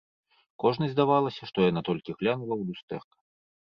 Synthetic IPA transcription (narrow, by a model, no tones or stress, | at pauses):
kɔʐnɐzʲzd̪avalˠɐsʲɐʂt̪ɔjanat̪ɔlʲkʲiɣlʲanulˠɐwd̪ust̪ɛfkɐ̥